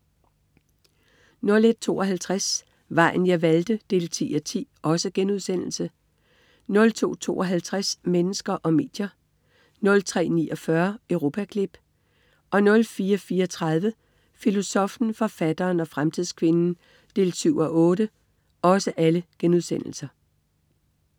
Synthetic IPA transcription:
nɔ̽le̝d̥̚t͡sʰo̝̰ːʔɒ̽ɦælt͡sʰʁas | ʋɑ̈ɪ̰n̩jɑ̈ɪʋæld̥əd̥e̝̰ːlt͡sʰḭːɒ̽t͡sʰḭːʔɒ̽səɡ̥enuð̞ˠsen̰l̩sə | nɔ̽lt͡sʰo̝̰ːt͡sʰo̝̰ːʔɒɦælt͡sʰʁasmenəsɡ̥ɐʔɒ̽me̝̰ːd̥jɐ | nɔ̽lt͡sʰʁɛ̰ːnḭːɒ̽fɶɐœʊʁo̝ːpʰækʰlib̥ | ʔɒ̽nɔ̽lfiːɐfiːɐɒt͡sʰʁɑð̞ˠʋə | filo̝sɒ̽fn̩fɒ̽fæd̥ɐːnɒ̽fʁamt͡sʰið̞̰ˠskʰʋe̝nn̩ | d̥e̝ːlsyʊ̰ɒʔɔ̽ːɾə | ɒ̽səʔæləɡ̥enuðˠsen̰l̩sɐ

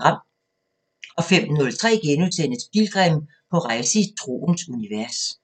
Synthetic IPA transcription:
ʁɑ̈m̰ | ɒ̽fem̰nɔ̽lt͡sʰʁɛ̰ːɡ̥enuðˠsenəsb̥ilɡ̥ʁɛm | pʰɒ̽ʁɑ̈ɪsəit͡sʰʁo̝̰ːnsuniʋæɐs

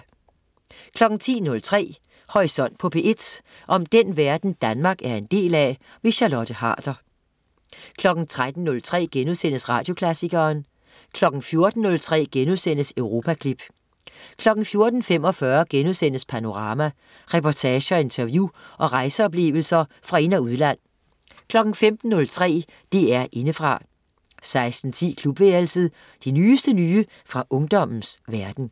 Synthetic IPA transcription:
kʰlɒ̽ɡ̥n̩t͡sʰḭːnɔ̽lt͡sʰʁɛ̰ː | hɒʁisɒ̽n̰d̥̚pʰɔ̽pʰe̝ʔe̝d̥ | ʔɒ̽md̥enʋæɐd̥n̩d̥ænmɑ̈ːɡ̥æɐe̝nd̥e̝̰ːlɛ | ʋe̝ɕɑ̈lɒ̽d̥ʰəhɑ̰̈ːd̥ɐ | kʰlɒ̽ɡ̥n̩t͡sʰʁad̥n̩ːɔ̽lt͡sʰʁɛ̰ːɡ̥enuðˠsen̰əsʁɑ̈ːd̥jo̝kʰlæsiɡɐːn | kʰlɒ̽ɡ̥n̩fjo̝ɐd̥n̩ːɔ̽lt͡sʰʁɛ̰ːɡ̥enuðˠsen̰əsøʊʁo̝ːpʰækʰlib̥ | kʰlɒ̽ɡ̥n̩fjo̝ɐd̥n̩fem̰ɒ̽fɶːɐɡ̥enusen̰əspʰæno̝ʁɑ̈ːmæ | ʁɛpʰɒt͡sʰɛːɕəɒ̽e̝nt͡sʰɐʋjuʔɒ̽ʁɑ̈ɪsəɒ̽b̥le̝̰ːʊl̩sɐ | fʁɑ̈e̝næuð̞ˠlæn̰ | kʰlɒ̽ɡ̥n̩femd̥n̩ːɔ̽lt͡sʰʁɛ̰ː | d̥iæɐʔe̝nəfʁɑ̈ | sɑ̈ɪsd̥n̩t͡sʰḭːkʰlub̥ʋeːlsð̩ˠ | d̥inyːsd̥ənyːə | fʁɑ̈ʔɔ̽ŋd̥ɒ̽m̰n̩sʋæɐd̥n̩

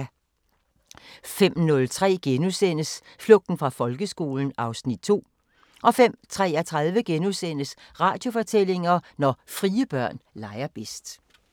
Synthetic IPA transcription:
fem̰nɔ̽lt͡sʰʁɛ̰ːɡ̥enusen̰əsflɔ̽ɡ̥̚d̥n̩fʁɑ̈fɒ̽lɡ̥əsɡ̥o̝̰ːln̩ɑ̈ʊsnid̥̚t͡sʰo̝̰ː | ʔɒ̽fem̰t͡sʰʁɛ̰ːɐt͡sʰʁɑðˠʋəɡ̥enusen̰əsʁɑ̈ːd̥jo̝fɒ̽t͡sʰel̰e̝ŋɐnɒfʁiːəb̥ɶɐ̰nlɑ̈ɪɐb̥esd̥

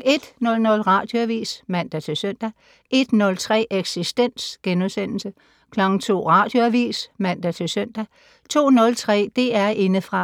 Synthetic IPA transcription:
e̝d̥nɔ̽lnɔ̽lʁɑ̈ːd̥jo̝æʋḭːsmæn̰d̥æt͡sʰe̝lsøn̰d̥æ | ʔe̝d̥nɔ̽lt͡sʰʁɛ̰ːʔeɡ̥sisd̥en̰sɡ̥enusen̰l̩sə | kʰlɒɡ̥ŋ̩t͡sʰo̝̰ːʁɑ̈ːd̥jo̝æʋḭːsmæn̰d̥æt͡sʰe̝lsøn̰d̥æ | t͡sʰo̝̰ːnɔ̽lt͡sʰʁɛ̰ːd̥e̝æɐʔe̝nəfʁɑ̈

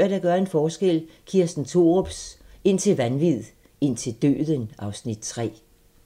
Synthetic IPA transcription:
ɐd̥æɡ̥ɶɐe̝nfɒːsɡ̥el̰kʰiɐsd̥n̩t͡sʰo̝ːʁɔb̥se̝n̰t͡sʰe̝lʋænʋið̰ˠ | e̝n̰t͡sʰe̝ld̥ø̰ːðˠənɑ̈ʊsnid̥̚t͡sʰʁɛ̰ː

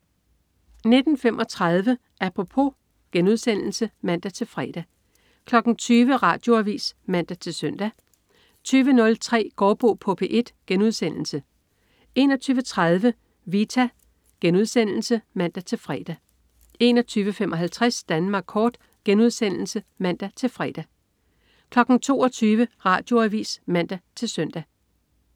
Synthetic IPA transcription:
ne̝d̥n̩femʔɒ̽t͡sʰʁɑað̞ˠʋə | ʔæpʰʁo̝pʰo̝ | ɡ̥enuðˠsen̰l̩səmæn̰d̥æt͡sʰe̝lfʁɛd̥æ | kʰlɒ̽ɡ̥n̩t͡sʰyːʋəʁɑ̰̈ːd̥jo̝æʋḭːsmæn̰d̥æt͡sʰe̝lsœn̰d̥æ | t͡sʰyːʋənɔ̽lt͡sʰʁɛ̰ːɡ̥ɒːb̥o̝ːpʰɔpʰeʔe̝d̥ɡ̥enuð̞̰ˠsen̰l̩sə | e̝ːnɒ̽t͡sʰyːʋət͡sʰʁaðˠʋə | ʋit͡sʰæ | ɡ̥enuð̞̰ˠsen̰l̩səmæn̰d̥æt͡sʰe̝lfʁɛ̰d̥æ | e̝̰ːnɒ̽t͡sʰyːʋəfemʔɒ̽ɦælt͡sʰʁɛsd̥ænmɑ̈ːɡ̥kʰːɒːd̥ | ɡ̥enuð̞ˠsen̰l̩səmæn̰d̥æt͡sʰe̝lfʁɛ̰ːd̥æ | kʰlɒ̽ɡ̥n̩t͡sʰo̝̰ːɒt͡sʰyːʋəʁɑ̈ːd̥jo̝æʋḭːsmæn̰d̥æt͡sʰe̝lsœn̰d̥æ

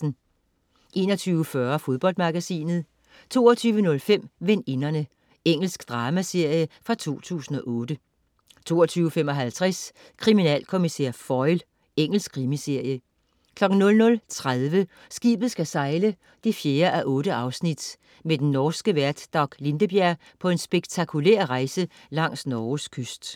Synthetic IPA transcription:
n̩ | ʔe̝̰ːnɐt͡sʰyːʊəfɶɐfo̝ð̞ˠb̥ɒ̽l̰d̥mɑ̈ɡ̥æsḭːnð̩ˠ | t͡sʰo̝̰ːɐt͡sʰyːʋənɔ̽lfem̰ʋenenɐnə | eŋ̰l̩sɡ̥d̥ʁɑ̈ːmæse̝ɐ̰jəfʁɑ̈t͡sʰo̝̰ːt͡sʰṵːsn̩ɒ̽ʔɔːd̥ə | t͡sʰo̝̰ːɐt͡sʰyːʊəfem̰ɒ̽ɦælt͡sʰʁɛs | kʰʁiminɛ̰ːlkʰo̝misḛɐ̰fɒɪl | eŋ̰l̩sɡ̥ʰʁimise̝ɐ̰jə | kʰlɒ̽ɡ̥n̩nɔ̽lnɔ̽lt͡sʰʁaðˠʋə | sɡ̥ḭːb̥ð̞̩ˠsɡ̥æsɑ̈ɪlə | d̥ifje̝ːɐʔæʔɔ̽ːɾ̥əʔɑ̈ʊsnid̥ | med̥enːɒːsɡ̥əʋæɐd̥d̥ɒɡ̥le̝nd̥əb̥jæɐ̰ | pʰɒ̽e̝nsb̥eɡ̥t͡sʰɑ̈kʰulḛɐ̰ʁɑ̈ɪsə | lɑ̈ŋ̰snɒːskʰøsd̥

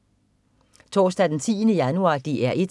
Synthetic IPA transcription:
t͡sʰɒ̰ːsd̥æd̥ent͡sʰḭːnəjænuɑ̰̈d̥iʔæɐʔed̥

